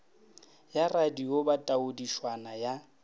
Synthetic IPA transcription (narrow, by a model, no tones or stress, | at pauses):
jaradiobatʼaʊdiʃwanaja